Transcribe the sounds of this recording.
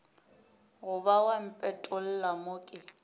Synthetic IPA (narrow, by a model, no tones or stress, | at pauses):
ɣʊbawam̩pʼɛtʼʊl̩lamokʼɪ